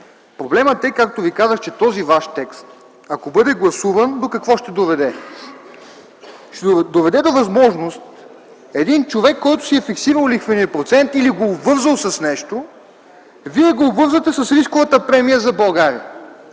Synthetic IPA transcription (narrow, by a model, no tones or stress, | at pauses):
pɾoblɛmət̪ɛkak̚t̪ovikazəxt͡ʃɛt̪ɔzivaʃt̪ɛkst̪ | ɐkobɤd̪ɛɡlˠɐsuvənd̪okɐkvɔʃt̪ɛd̪ovɛd̪ɛ | ʃt̪ɛd̪ovɛd̪ɛd̪ovɐzmɔʒnost̪ | ɛd̪int͡ʃovɛkːɔjt̪ʊ̥siɛfiksivəllixvəniəpɾot̪sɛnt̪iliɡoːbvɤɾzəlˠsɐsnɛʃt̪o | viɛɡoːbvɤɾzət̪ɛsɐsɾiskovɐt̪əpɾɛmijəzɐbɐlˠɡaɾḭə